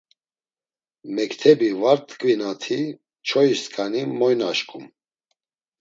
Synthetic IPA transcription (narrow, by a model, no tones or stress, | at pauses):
mɛkt̪ʰɛbivaɾt̪ʼkʼvinat̪ʰi | t͡ʃʰɔiskʰʼanimɔjnaʃkʼum